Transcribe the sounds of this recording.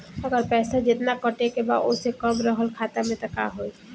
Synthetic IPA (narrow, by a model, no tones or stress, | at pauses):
əɡəɾpɛːsad͡ʒet̪nakɔʈekeba̰ʔosekɔmɾɔɦəlkʰat̪amẽt̪aka̰ɦoj